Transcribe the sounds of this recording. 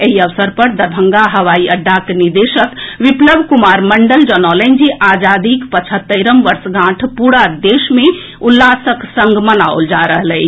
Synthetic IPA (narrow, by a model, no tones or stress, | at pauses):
eɦiəʋsəɾpəɾd̪əɾbʱə̃ŋɡaɦəʋaiəɖːakniɾd̪eʃət̪ʋipləbʱkumaɾməɳɖəld͡ʒənɔlənd͡ʒiʔad͡ʒad̪ikpət͡ʃʰət̪ːəɾəmbəɾsɡʱãʈʰpuɽad̪esme | ulːasəksə̃ŋɡmənao̰ld͡ʒaɾəɦlɛɪt͡ʃʰ